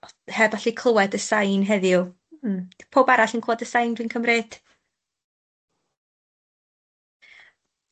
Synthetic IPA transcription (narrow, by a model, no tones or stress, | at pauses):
hɛvɔɬikʰlˠəwɛdəsajnɦɛðju | pʰoːbaɾaɬinkʰloːdəsajndwinkʰəmred̥